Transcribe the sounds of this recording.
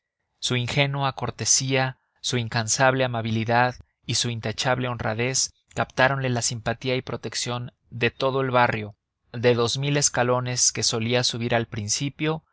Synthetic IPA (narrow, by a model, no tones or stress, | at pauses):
suiŋxe̞nuako̞ɾt̪e̞sia | suiŋkansaβ̞le̞amaβiliðað | isuint̪at͡ʃaβle̞o̞nra̰ðe̞s | kapt̪aɾo̞nle̞lasimpat̪iaipɾo̞t̪e̞ksjo̞n | d̪e̞t̪o̞ð̞o̞e̞lβarjo̞ | ðe̞ðo̞zmile̞skalo̞ne̞ske̞so̞liasuβ̞iɾalpɾinsipjo̞